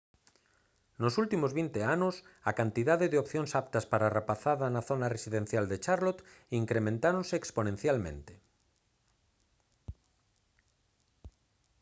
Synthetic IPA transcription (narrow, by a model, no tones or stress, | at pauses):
nosult̪imozβint̪eanʊsakant̪iðaðeðeopθjoŋsap̚t̪ɐspaɾarapaθaðɐnaθonaresiðẽn̟θjald̪et͡ʃaɾlot̪iŋkɾemẽnt̪aɾõnseːksponẽn̟θjalmḛ̃nt̪e̥